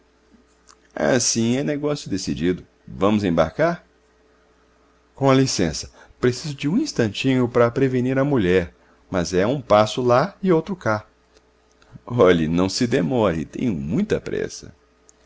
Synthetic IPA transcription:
a̰sĩɛneɡɔsjʊd̪esid͡ʒid̪ʊ | vɐ̃mʊzẽba̰ɾkaɾ | kõɐlisẽsɐ̥ | pɾesizʊd͡ʒɪũĩst̪ɐ̃nt͡ʃĩɲʊpɾɐpɾeveniɾɐmuʎɛɾ | mɐzɛũpasʊlaɪowt̪ɾʊka | ɔʎinɐ̃w̃sɪd̪emɔɾɪ̰t̪ḛ̃j̃ʊmũj̃t̪ɐpɾɛ̰sɐ̰

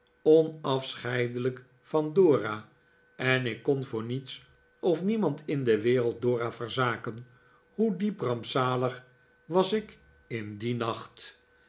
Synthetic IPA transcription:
ɔnɑfsχɛjdələk | fɑndoːraː | ɛnɪkːɔnvʊːɹnits | ɔfnimɑntʰɪndəʋɪːrəlˠt̚dʊːraːvəɹzaːkən | hudiprɑmpsaːləχ | ʋɑsɪk | ɪndinɑχt

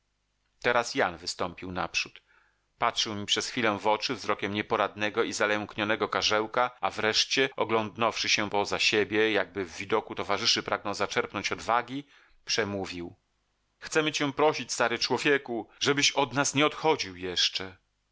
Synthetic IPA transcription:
t̪ɛɾasjanvɘst̪ɔmpʲiwna̰pʂut̪ | patʂɘwmʲipʂɛsxfʲilɛvɔt͡ʂɘvzɾɔkʲɛmɲɛpɔɾad̪nɛɡɔizalɛŋkɲɔnɛɡɔkaʐɛwkaavɾɛʂt͡ɕɛɔɡlɔnd̪nɔfʂɘɕɛpɔzaɕebʲjɛjaɡ̚bɘvːʲid̪ɔkut̪ɔvaʐɘʂɘpɾʔaɡnɔ̃w̃zat͡ʂɛɾpnɔɲt͡ɕɔd̪vaɡʲi | pʂɛmuvʲiw | xt̪sɛmɘt͡ɕɛ̃pɾɔɕit͡ɕst̪aɾɨt͡ʂwɔvʲjɛkuʐɛbɘɕɔd̪nasɲɛɔt̪xɔd͡ʑiwjɛʂt͡ʂɛ

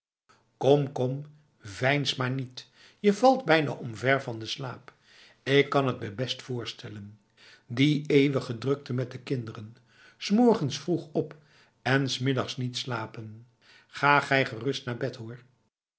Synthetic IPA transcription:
kɔmkɔm | vɛjnsmaːɹnit | jəvɑlˠdbɛjna̰ːʔɔmvɛɹvɑndəslaːp | ɪkːɑnɦət̚bɛjbɛstfʊːɹstɛlən | diejʋəχədrɵk̚təmɛt̚dəkɪndərən | smɔɹχənsfruχɔp | ɛnsmɪdɑχsnitslaːpən | χaːχɛjχərɵstnaːɹbɛtɦʊːɹ

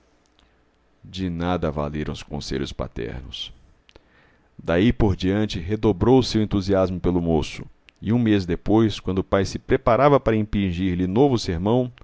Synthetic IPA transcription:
d͡ʒɪnad̪ɐva̰leɾɐ̃w̃ʊskõ̰sḛʎʊspa̰t̪ɛ̰ɾnʊs | d̪aipoɾd͡ʒiɐ̃nt͡ʃɪɦed̪obɾowʊseʊẽnt̪uziazmʊpelʊmosʊ | ɪũmezd̪epojskwɐ̃nd̪ʊpajsɪpɾepaɾavɐpaɾɐĩpĩʒiɾlɪnovʊseɾmɐ̃w̃

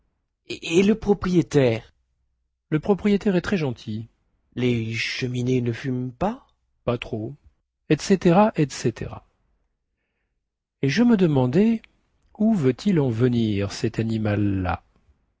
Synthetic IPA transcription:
eləpχɔpχijet̪ɛːʁ | ləpχɔpχijet̪ɛʁɛt̪χɛʒɑ̃t̪ʰi | leʃəminenəfympa | pat̪χo | ɛt̪set̪eʁaʔɛt̪set̪ʰḛʁa̰ | eʒəməd̪əmɑ̃d̪ɛ | uvøt̪ʰilɑ̃vəniʁsɛt̪animalːa̰

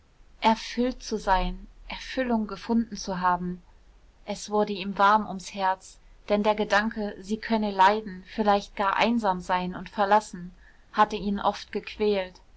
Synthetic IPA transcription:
ʔɛɐfʏltt͡suzaɪnʔɛɐfʏlʊŋɡəfʊndn̩t͡suɦaːbm̩ | ʔɛsv̥ʊɐdəiːmvaɐmʊ̰mshɛɐt͡sd̥ɛndeːɐɡədaŋkəziːkʰœnəlaɪdn̩fɪlaɪçt̚ɡ̥aːɐʔa̰ɪnzaːmzaɪnʊntfɛɐlasn̩ | hatəiːnʔɔftɡ̥əkʰv̥ɛːlt

